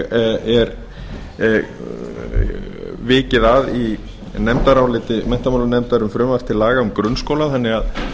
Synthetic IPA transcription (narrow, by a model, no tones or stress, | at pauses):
ɛɾ | vɪːcɪðaði | nɛmt̪aɾawlɪːt̪ɪmɛn̥t̪amawlʏnɛmt̪aɾʏmfɾʏːmvaft̪ʰɪlaːɣaʏmkɾʏnskoːwlaðanːɪað